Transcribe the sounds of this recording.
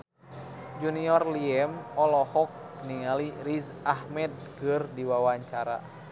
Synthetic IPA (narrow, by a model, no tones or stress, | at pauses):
d͡ʒuniɔrliɛmɔlɔhɔk̚ | nialiɾiz | ahmɛd̚kɨrdiwawaɲt͡ʃaɾa̰